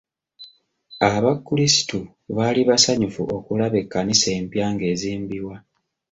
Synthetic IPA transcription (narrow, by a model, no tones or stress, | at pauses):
aβakːulisi̥tu | βaliβasaɲufuokulaβe̞kːanise̞ːmpjaːŋɡe̞ːziːmbiwa